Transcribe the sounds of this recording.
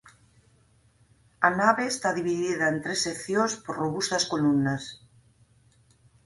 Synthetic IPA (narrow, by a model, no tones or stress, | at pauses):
ɐnaβeːst̪aðiβiðiðɐent̪ɾesːekθjonspoɾroβust̪ɐskolumnas